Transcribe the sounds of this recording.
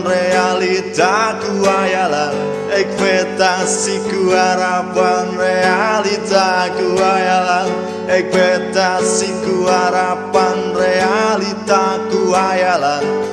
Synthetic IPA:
realit̪akuajalan | ek̚fet̪asikuhaɾapanrealit̪akuajalan | ek̚bet̪asikuhaɾapanrealit̪akuajalan

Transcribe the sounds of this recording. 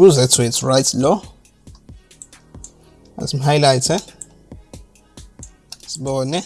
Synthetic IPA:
uzɛtʰwetʰɹajtʰlɔ | a̰sim̩ɦajlajtʰɛ | siɓɔːnɛ

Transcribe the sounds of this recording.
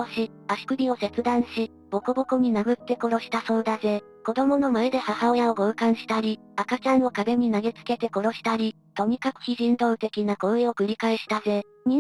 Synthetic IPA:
ɕi | aɕi̥kɯ̟bʲio̞se̞t͡sɨd̪ãɰ̃ɕi | b̥o̞kobo̞koɲ̟inaɡɯ̟t̪ːe̞ko̞ɾo̞ɕi̥t̪aso̞ːd̪aze̞ | ko̞d̪o̞mo̞no̞maed̪e̞hahaojaoɡoɯ̟kãɰ̃ɕi̥t̪aɾʲi | akat͡ɕãnːo̞kaɡe̞ɲ̟inaɡe̞t͡sɨ̥ke̞t̪e̞ko̞ɾo̞ɕi̥t̪aɾʲi | t̪o̞ɲ̟ikakɯ̟̥çiʑĩnd̪o̞ɯ̟t̪e̞kʲinako̞ɯ̟eo̞kɯ̟ɾʲikaeɕi̥t̪aze̞ | ɲʲĩ

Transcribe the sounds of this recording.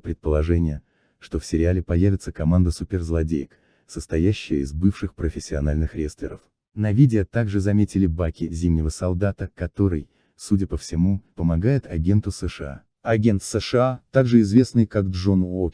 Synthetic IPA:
pɾʲɪt̪̚pəlˠɐʐɛnʲɪjə | ʂt̪o̞fsʲɪɾʲɪalʲɪpɐjævʲɪt̪səkɐmand̪əsupʲɪrzlˠɐdʲejk | səst̪ɐjæɕːɪjəɪzbɨfʂɨxpɾəfʲɪsʲːɪɐnalʲnɨxɾʲest̪lʲɪ̰ɾəf | nɐvʲidʲɪət̪aɡʐɨzɐmʲetʲɪlʲɪbakʲɪzʲimnʲɪvəsɐlˠd̪at̪əkɐt̪o̞ɾɨj | sudʲəpəfsʲɪmupəmɐɡajɪt̪ʰɐɡʲe̞nt̪ʊsɛʂɨa̰ | ɐɡʲe̞nt̪sɛʂɨat̪aɡʐɨɪzvʲe̞snɨjkaɡʐono

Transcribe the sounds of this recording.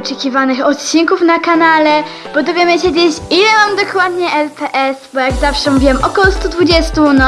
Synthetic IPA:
t͡ʂɛkʲivanɘxɔt̪t͡ɕiŋkufnakanalɛ | b̥ɔd̪ɔvʲjemɘɕed͡ʑet͡ɕilɛmamd̪ɔkwad̪ɲɛʔɛlt̪ɛʔɛsbɔjaɡzafʂɛmuvʲiwɛmʔɔkɔwɔst̪ud̪vud͡ʑɛst̪unɔ

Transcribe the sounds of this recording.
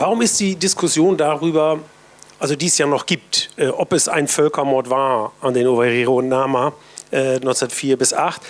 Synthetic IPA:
vaʁ̞ʊmɪstd̥iːdɪskʰʊsjoːndaʁyːbɐ | ʔalzodiːɛsjaːnɔχɡ̥iːp̚tʔɛːʔɔpɛsʔa̰ɪnfœlkɐmɔɐtv̥aːɐʔandeːnovaʁiʁonnaːma | ʔɛːnɔɪnsadɐtfiːɐbɪsʔaχt

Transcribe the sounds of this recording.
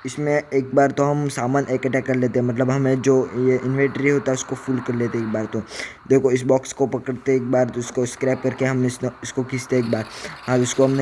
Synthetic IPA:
ɪsmẽeːk̚baːɾt̪oɦɐmsaːmaːneːkɛʈɛkɐɾleːt̪̬eɦɛ̃mɐt̪̬ləbɦɐmẽd͡ʒoːjeʔɪnʋẽɳʈɾiɦoːt̪aɦɛʊskofʰuːlkɐɾleːt̪eeːk̚baːɾt̪od̪eːkʰoɪsbɔːkskopɐkəɽt̪eeːk̚baːɾʊskoɪskɾaːɪp̚kɐɾkeɦɐmnesʊskokiːst̪eeːk̚baːɾɦãːʊskoɦɐmn

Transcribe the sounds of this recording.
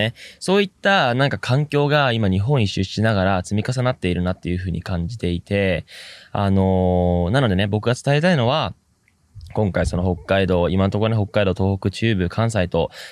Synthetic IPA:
eso̞ːit̪ːanãŋkakʰãŋkʲo̞ːɡaimaɲ̟iɦõ̞ɰ̃iɕɨɕt͡ɕːinaɡaɾat͡sɨmʲikas̬anat̪ːe̞iɾɯ̟nat̪ːe̞jɯ̟ɸɯ̟ːɲ̟ḭkãɲ̟d͡ʑit̪e̞it̪e̞ | ano̞nano̞d̪e̞ne̞bo̞kɯ̟ɡat͡sɨ̥t̪aet̪aino̞β̞a | kõ̞ŋkaiso̞no̞ho̞kːaid̪o̞ːimant̪okoɾoneɦo̞kːaid̪o̞ːt̪o̞ːhokɯ̟t͡ɕɨːbɯ̟kʰãɰ̃s̬ait̪o̞

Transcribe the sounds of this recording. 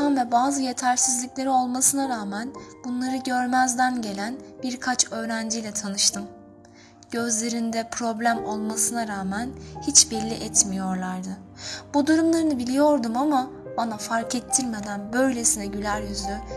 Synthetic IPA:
anvɛbaːzɯje̞t̪ʰæɾsizlʲiclʲe̞ɾio̞lˠmasɯnaɾaːmænbunlˠaɾɯɟø̞ɾmæzd̪ænɟe̞lʲænb̥iɾkʰat͡ʃʰø̞ːɾænd͡ʒijlʲɛt̪ʰanɯʃt̪ʰɯm | ɟ̥ø̞zlʲe̞ɾind̪ɛpʰɾo̞blʲæmo̞lˠmasɯnaɾaːmænhit͡ʃbɛlʲːiʔɛt̪mijo̞ɾlˠaɾd̪ɯbud̪uɾumlˠaɾɯnɯbilʲijo̞ɾd̪umama | onafaɾkʰet̪ʰːiɾme̞d̪ænbø̞jlʲe̞sinɛɟylʲæɾjyzlʲy

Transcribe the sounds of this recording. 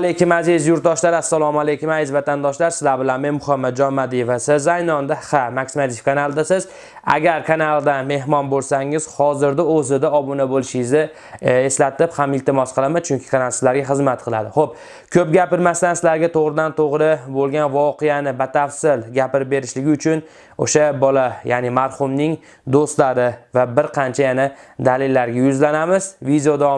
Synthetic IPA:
alekʰʲʊmazɪzjʊɾt̪̚d̪ɒʃlaɾɪasːalˠɒmalejkʰʲʊmajɪzvat̪ʰand̪ɒʃlaɾsɪ̥zlaɾbɪlanme̞nmʊχamːad̪̚d͡ʒɒnmad̪ivasɪzːajnɒnd̪ahamakʲsimat̪ʰɪfkʰanalˠd̪asɪz | a̰ɡʲaɾkʰanalˠd̪anme̞ɦmɒnbolˠsaŋɪz̥hɒzɪɾd̪aɵzɪd̪aɒbʊnabolɪʃɪzɪ | e̞slat̪ɪphamɪlt̪ʰɪmɒsqʰɨlˠamat͡ʃʰʊŋkʲʰɪ̥kʰanalˠsɪzlaɾɡʲaχɨzmat̪qʰɨlˠa̰d̪ɪχop̚ | kʲʰɵpɡʲapɪɾmaslansɪlaɾɡʲat̪ʰoʁɾɪd̪ant̪ʰoʁɾɪbolˠɡʲanvɒqʰeanɪbat̪ʰafsɪlɡʲapɪɾɪp̚be̞ɾɪʃlɪɡʲɪʊt͡ʃʰʊn | o̰ʃabɒlajaːnɪmaɾhʊmnɪŋ | d̪ost̪laɾɪvabɪɾqʰɑnt͡ʃʰajanad̪alɪlːaɾɡʲajʊzlanamɪzvid̪eod̪ɒ

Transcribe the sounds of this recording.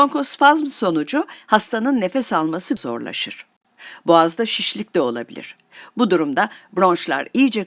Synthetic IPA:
oŋkospazmso̞nud͡ʒuhast̪ʰanɯnːe̞fɛsalˠmasɯzo̞̰ɾlˠa̰ʃɯɾ̥ | boazd̪aʃiʃlʲic̚d̪ɛo̞lˠa̰bilʲḭɾ̝̥ | bud̪uɾumd̪abɾo̞nt͡ʃlˠa̰ɾijid͡ʒɛ

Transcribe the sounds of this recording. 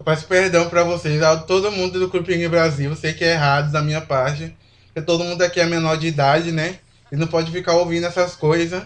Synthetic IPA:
fasʊ̥peɾd̪ɐ̃w̃pɾɐvosezat̪od̪ʊmũd̪ʊd̪ʊklupĩɡɪbɾaziwsejkɪɛeɦad̪ʊd̪ɐmĩɲɐpaɾt͡ʃinɐppo̥ɾket̪od̪ʊmũd̪ʊakiɛmẽnɔɾd͡ʒɪid̪ad͡ʒɪnɛ | ɪnɐ̃w̃pɔd͡ʒɪfikaɾowvĩd̪ʊɛsɐskojzɐ

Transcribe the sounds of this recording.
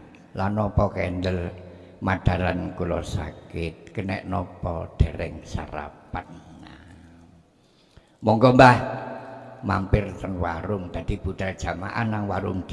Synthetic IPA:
lanːɔpɔkɛnd̪əl | mad̪̥a̤ɾankulɔsa̰kɪt̪̚kənɛ̰ʔnɔpɔd̪̥e̤ɾɛŋsa̰ɾa̰pan | mɔŋkɔmbah | mampɪrt̪ənwaɾʊŋd̪̥a̤d̪̥i̤b̥ṳd̪̥ard̥ʒ̥a̤ma̰ʔanːaŋwaɾʊŋd̪̥

